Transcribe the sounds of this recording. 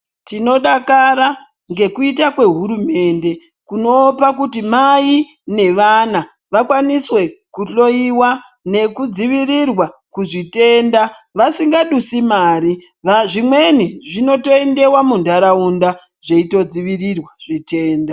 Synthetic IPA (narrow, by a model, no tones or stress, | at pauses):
tino̞ɗakaɾa | ŋɡe̞kuitakwe̞ɦuɾume̞nde̞ | kuno̞pakutimai | ne̞ʋana | ʋakwaniswe̞kuɬo̞iwa | ne̞kud͡ziʋirirwakuʐite̞ːnda | ʋasiŋɡaɗusimaːɾi | ʋaʐimwe̞niʐino̞toende̞wamundaɾaunda | ʐeito̞d͡ziʋirirwaʐ̥ite̞ːnda